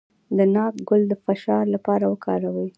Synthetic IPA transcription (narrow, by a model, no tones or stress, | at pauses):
d̪ənɑkɡʊld̪əfaʃɑɾlapɑɾawəkʰɑɾawəj